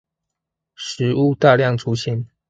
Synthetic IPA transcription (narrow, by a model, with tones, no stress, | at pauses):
ʂɻ̩˨˥˦u˥˧t̪a˥˧ljɑ˥˨ŋʈ͡ʂʰu˥ɕjɛ˥˩n